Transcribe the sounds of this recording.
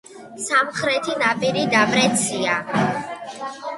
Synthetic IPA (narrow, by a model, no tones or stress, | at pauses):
samχɾɛt̪ʰinapʼiɾid̪amɾɛt̪sʰia